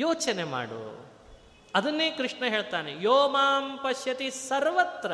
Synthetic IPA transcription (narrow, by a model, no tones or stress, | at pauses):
joːt͡ʃɐnema̰ːɽṵ | ɐd̪ɐnːeːkɾiʂɳɐɦeːɭt̪aːnejoːmaːmpɐʃjɐt̪isɐɾʋɐt̪ɾɐ